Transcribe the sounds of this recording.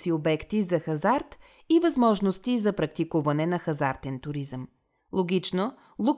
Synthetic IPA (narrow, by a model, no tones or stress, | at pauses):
siobɛkt̪izɐxɐzaɾt̪ | ivɐzmɔʒnost̪izɐpɾɐkt̪ikuvɐnɛnɐxɐzaɾt̪ɛnt̪ʊɾizəm | lˠoɡit͡ʃno | lˠu